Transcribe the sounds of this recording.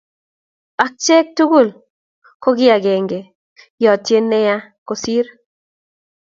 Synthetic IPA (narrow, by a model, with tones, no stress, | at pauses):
a˨k̚t͡ʃɛ˦k̚tu˦ɡu˦˨l | ko˦ɡɪ˦a˨ɡɛ˨ŋɡe˨ | jɔ˨tje˦nɛ˦ja˦ko˨si˦ɾ